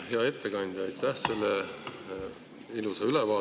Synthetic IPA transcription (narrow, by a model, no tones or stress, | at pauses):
heɑe̞t̪ːe̞kɑnʲd̪̥ʲɑjt̪ˑːæhse̞lːe | iluseylevɑː